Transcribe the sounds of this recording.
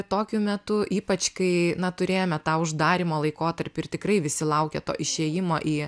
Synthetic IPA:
t̪oːkʲʊmʲɛt̪ʊʔiːpɐt͡ʃkɐɪnɐt̪ʊɾʲeːjoːmʲɛt̪ɑːʊʒd̪ɑːɾʲimoːlˠɐɪkoːt̪ɐɾʲpʲɪɪrt̪ʲɪkrɐɪʋʲɪsʲɪlˠɐʊkʲɛt̪o̰ːʔɪʃʲeːjɪmo̰ːʔiː

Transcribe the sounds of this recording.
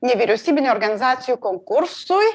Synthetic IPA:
ɲeviɾusibenoɾɡanizasjukõŋkuɾsuj

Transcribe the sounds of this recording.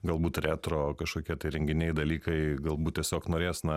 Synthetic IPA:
ɡɐlˠbuːt̪ɾʲæːt̪ɾoːkɐʃkoːkʲiɛt̪ɐɪɾʲɛŋʲɡʲɪnʲɛɪd̪ɐlʲiːkɐɪɡɐlˠbuːt̚ʲiɛsʲoːknoːɾʲeːsnɐ

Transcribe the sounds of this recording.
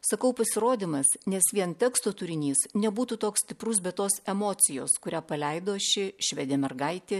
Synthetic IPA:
sɐkɐʊpɐsʲɪɾoːd̪ʲiːmɐsnʲɛsʋʲiɛnt̪ʲɛkst̪oːt̪ʊɾʲɪnʲiːsnʲɛbuːt̪uːt̪oːkssʲt̪ʲɪpɾʊs̬bʲɛt̪ːoːsɛmoːt̪sʲɪjoːskʊɾʲæːpɐlʲɛɪd̪oːʃʲɪʃʲʋʲɛd̪ʲeːmʲɛrɡɐɪt̪ʲɪ

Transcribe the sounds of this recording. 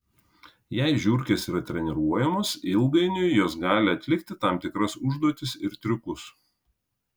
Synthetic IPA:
jɛɪʒʲʊɾʲkʲesiːɾɐt̪ʲɾʲɛnʲɛɾuɔjɛmosɪlˠɡɐɪnʲʊjjoːsɡɑːlʲɪɐt̪ʲlʲɪkt̪ʲɪt̪ɑmt̪ʲɪkɾɐsʊʒd̪uɔt̪ʲɪsɪɾt̪ʲɾʲʊkʊs

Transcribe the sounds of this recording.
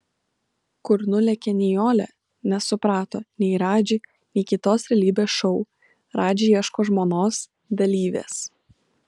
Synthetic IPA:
kʊɾnʊlʲɛkʲɛnʲɪjoːlʲɛ̰ | nʲɛsʊpɾɑːt̪oːnʲɛɪɾɑːd͡ʒʲɪ | nʲɛɪkʲɪt̪oːsɾʲɛlʲiːbʲeːsʃɔʊ | ɾɑːd͡ʒʲɪiɛʃkoːʒmoːnoːs | d̪ɐlʲiːʋʲḛːs

